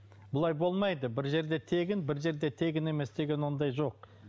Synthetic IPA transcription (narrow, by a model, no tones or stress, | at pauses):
bʊlˠɑjbo̞lˠmɑjd̪əbɪɾʒe̞ɾd̪e̞t̪ʰe̞ɡʲɪnbɪɾʒe̞ɾd̪e̞t̪ʰe̞ɡʲɪne̞me̞sd̪e̞ɡʲe̞nwo̞nd̪ɑjʒo̞q̚